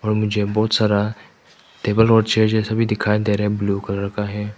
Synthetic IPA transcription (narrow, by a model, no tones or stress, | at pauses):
ɔːɾmʊd͡ʒʱebɔːt̪saːɾa | t̪eːbəlɔːɖt͡ʃʰed͡ʒesɐbʱid̪ɪkʰaːjd̪eɾebluːkɐɾɾəkaɦɛ